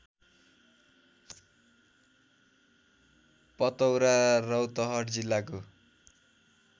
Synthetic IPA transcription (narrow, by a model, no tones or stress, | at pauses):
pʌt̪ʌwɾarʌwt̪ʌɦʌʈd͡zilːako